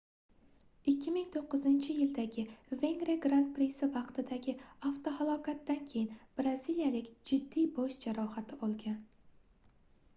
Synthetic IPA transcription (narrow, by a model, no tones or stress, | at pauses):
ɪkʲːɪmɪŋt̪ʰoqʰːɨzɪnt͡ʃʰɪjɪld̪aɡʲɪve̞ŋɡɾeɡɾant̪̚pɾisɪvɑqt̪ʰɪd̪aɡʲɪaft̪oɦalˠɒkʰat̪ːankʲʰe̞jɪnb̥ɾazilijalɪkʲd͡ʒɪd̪ːijboʃd͡ʒaɾɒhat̪ʰɪɒlˠɡʲan